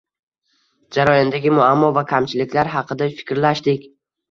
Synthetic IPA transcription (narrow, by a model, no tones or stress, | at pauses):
d͡ʒaɾɒjɒnd̪aɡʲɪmʊamːɒvakʲʰamt͡ʃʰɪlɪkʲlaɾɦɑqʰɨd̪afɪ̥kʲɾlaʃd̪ɪkʲ